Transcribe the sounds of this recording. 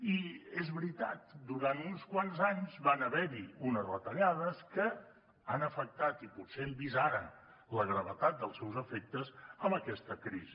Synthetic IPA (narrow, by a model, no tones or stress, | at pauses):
iezβɾit̪at̪d̪uɾant̪unskwanzaɲzβanəβɛɾiunəzβət̪əʎað̞əskə | anəfək̚t̪at̪iput̪sembizaɾən | ləɣɾəβət̪at̪̚d̪əlˠsɛwzəfek̚t̪əzəmbəkɛst̪əkɾizi